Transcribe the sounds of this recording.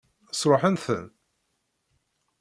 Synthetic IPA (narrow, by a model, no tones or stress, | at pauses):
sɾˤoħənθə̰n